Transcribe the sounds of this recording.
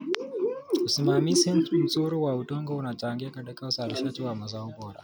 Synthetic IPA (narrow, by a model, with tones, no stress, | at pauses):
u˨su˨maː˨mi˦sɪ˦ntʼʊ˨n˨sʼoː˦ɾo˦waː˨wu˨tɔ˦ŋɡɔ˦wna˨t͡ʃʼa˨ŋɡʲe˦ka˨da˦ka˦wsaː˨ɾʃa˦t͡ʃɪ˦waː˨ma˨zaː˦u˦boː˨ɾa̰˨